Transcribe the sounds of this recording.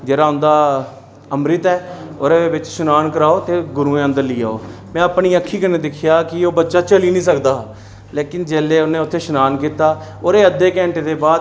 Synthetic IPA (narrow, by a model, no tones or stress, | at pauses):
d͡ʒeːɾaːʊnd̪aː | əmɾɪt̪ɛːoːɾeːʋɪt͡ʃʃʊnaːnkəɾaːoːt̪eːɡʊɾũːẽːə̃nd̪əɾliːa̰ːo̰ːmɛ̃ːəpɳiːəkʰːiːkəɾneːd̪ɪkʰɪjaːkɪoːbətːʃaːt͡ʃəliːnĩːsəkd̪aː | leːkɪnd͡ʒeːleːʊnẽːʊt̪ʰːeːʃənaːnkiːt̪aː | oːɾeːəd̪ːeːkɛːɳʈeːd̪eːbaːd̪